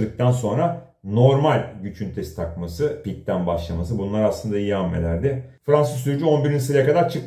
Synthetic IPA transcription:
d̪ɯk̚t̪ʰanso̞nɾa | no̞ɾmalʲɟyt͡ʃʰynt̪ʰesi̥t̪ʰakmasɯpic̚t̪ʰænbaʃlˠamasɯbunlˠaɾaslˠɯnd̪aijiamːḛlʲæ̰ɾd̪ɪfɾansɯsːyɾyd͡ʒyo̞nbiɾinisɯɾjakad̪aɾt͡ʃʰɯk

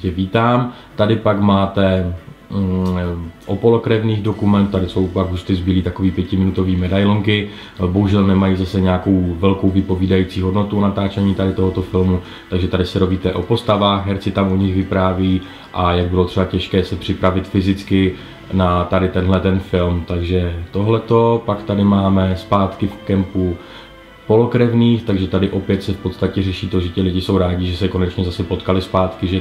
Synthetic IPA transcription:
cɛviːt̪aːm | t̪adɪpakmaːt̪ɛ | ʔopo̞lokɾɛvniːɣdo̞kumɛnt̪t̪ːadɪso̞wpaɡɦust̪ɪzbiːliːt̪ako̞viːpjɛcɪmɪnut̪o̞viːmɛdajloŋkɪ | bo̞ɦuʒɛlnɛmajiːzasɛɲɛako̞wvɛlko̞wvɪpo̞viːdajiːt͡siːɦo̞dno̞t̪uonat̪aːt͡ʃɛɲiːt̪adɪt̪o̞ɦot̪o̞fɪlmu | t̪aɡʒɛt̪adɪsɛɾoviːt̪ɛʔo̞po̞st̪avaːxɦɛɾt͡sɪt̪amʔoɲɪxvɪpɾaːviː | ʔajaɡ̚bɪlot̪r̥ɛbacɛʃkɛːsɛpr̝̥ɪpɾavɪt̪fɪzɪt͡skɪ | nat̪adɪt̪ɛnɦlɛt̪ɛnfɪlmt̪aɡʒɛt̪o̞ɦlɛt̪o̞pakt̪adɪmaːmɛspaːt̪kɪfkɛmpu | po̞lo̞kɾɛvniːxt̪aɡʒɛt̪adɪʔo̞pjɛt̪sɛfpot̪st̪acɛrɛʃiːt̪o̞ʒɛcɪlɪɟɪso̞wɾaːɟɪʒɛsɛko̞nɛt͡ʃɲɛzasɛpo̞t̪kalɪspaːt̪kɪʒɛ

